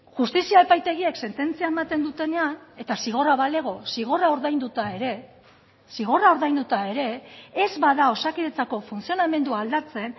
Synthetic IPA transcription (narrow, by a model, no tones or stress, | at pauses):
ʝust̪isiae̞pajt̪e̞ɣ̞iekse̞nt̪e̞nt͡siae̞mat̪e̞nd̪ut̪e̞ne̞ane̞t̪asiɣ̞o̞raβale̞ɣ̞o̞siɣ̞o̞rao̞ɾðajnd̪ut̪aeɾe̞ | siɣ̞o̞rao̞ɾðajnd̪ut̪ae̞ɾe̞ːzβaðao̞sakiɾet͡sako̞funt͡sio̞name̞nd̪uald̪at͡se̞n